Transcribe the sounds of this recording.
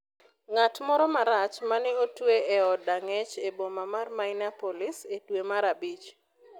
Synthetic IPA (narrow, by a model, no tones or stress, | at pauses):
ŋatmɔɾɔmaɾat͡ʃmanɛotweeɔdaŋɛt͡ʃebomamarmaŋnapolɪsetwemaɾabit͡ʃ